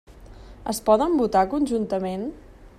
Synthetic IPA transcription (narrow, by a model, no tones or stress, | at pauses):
əspɔðəmbut̪akunʲʒunt̪əmen